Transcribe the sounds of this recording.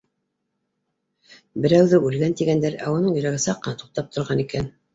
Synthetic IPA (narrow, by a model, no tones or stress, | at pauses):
bɘ̆ɾæwðɘʔʉlɡænt̪iɡænd̪æɾæ̰wŏnɤɴjɵ̆ɾæɡɘsɑqːɤ̆nɑt̪u̥q̚t̪ɑp̚t̪ŏɾʁɑnikæn